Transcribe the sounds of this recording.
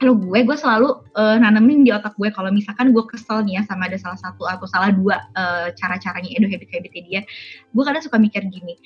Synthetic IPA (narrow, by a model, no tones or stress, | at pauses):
kaloɡuɛɡuasəlaluənanəmɪndiot̪ak̚ɡuɛkalomisalkanɡuakəsalnijasamaːdasalahsat̪uat̪awsalahduaəːt͡ʃaɾat͡ʃaɾaɲaedoɦebik̪̚hebit̪ediaɡuakadasukamikɪrɡini